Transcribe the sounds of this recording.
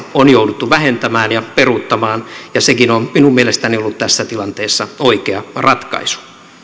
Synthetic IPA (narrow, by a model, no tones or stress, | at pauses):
onjoudut̪ːuʋæɦent̪æmæːnjɑperut̪ːɑmɑːnjɑsekinomminummielest̪æniolːut̪t̪æsːæt̪ilɑnt̪eːsːɑoikeɑrɑt̪kɑ̰isu̥